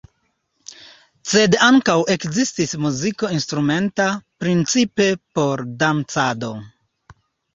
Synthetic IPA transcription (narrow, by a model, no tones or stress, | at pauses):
se̞daŋkawe̞kzistismuziko̞instɾume̞ntapɾint͡sipe̞po̞ɾdamt͡sado̞